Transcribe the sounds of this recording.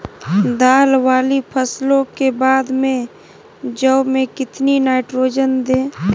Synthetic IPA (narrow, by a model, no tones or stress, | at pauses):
d̪aːlwaːlipʰəslõkebaːd̪mẽ | d͡ʒəːmẽkɪt̪ninaːɪʈɾoːd͡ʒənd̪ẽː